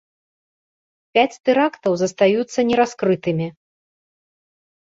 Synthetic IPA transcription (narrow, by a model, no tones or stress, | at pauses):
pʲat͡sʲt̪ɨɾakt̪ɐwzɐst̪ajut̪sːɐnʲɛɾaskɾɨt̪ɨmʲi